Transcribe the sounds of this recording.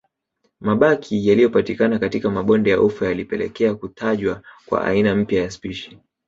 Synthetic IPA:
maɓakʰijalijɔpatikanakatikamaɓɔndɛjaʔufajalipɛlɛ̰kɛakutʰaʄwakwa̰ʔa̰inam̩pjajaspiʃi̥

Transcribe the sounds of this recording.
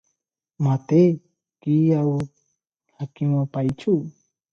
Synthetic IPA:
mat̪e | kijaw | hakiŋapajt͡ʃu

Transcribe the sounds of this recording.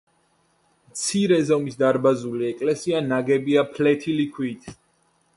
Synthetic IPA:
mt̪sʰiɾɛzɔmisd̪aɾbazuliɛkʼlɛsianaɡɛbiapʰlɛt̪ʰilikʰwit̪ʰ

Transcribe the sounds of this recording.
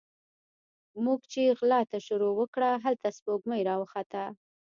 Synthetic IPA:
muɡt͡ʃeɣlɑt̪aʃʊɾowəkɽaɦalt̪aspoɡməjɾɑwəxat̪a

